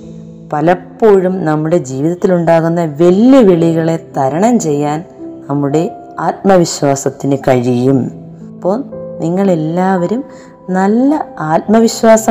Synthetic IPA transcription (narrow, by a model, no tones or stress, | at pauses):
pɐlɐpːo̞ːɻumnɐmːuɽe̞d͡ʑiːʋiðɐt̪ːiluɳɖaːɣunːɐʋe̞lːɐʋeɭiɣɐɭe̞t̪ɐɾɐɳɐmt͡ɕe̞jːaːn | nɐmːuɽe̞ | aːt̪̚mɐʋiɕwaːsɐt̪ːinɨkɐɻijum | ɐpːoːniŋːɐɭe̞lːaːʋɐɾum | nɐlːɐaːt̪̚mɐʋiɕwaːsɐ